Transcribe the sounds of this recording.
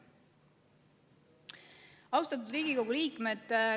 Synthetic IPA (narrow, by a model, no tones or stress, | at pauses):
ɑwst̪ɑt̪̬ːˑud̪riːɡiko̞ɡ̥uliːkmed̪̥